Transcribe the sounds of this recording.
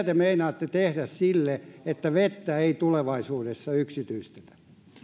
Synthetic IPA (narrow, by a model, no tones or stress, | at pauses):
t̪emeinɑːt̪ːet̪ehdæssilːeet̪ːæʋet̪ːæeit̪uleʋɑisuːdesːɑyksit̪yist̪e̥t̪æ̥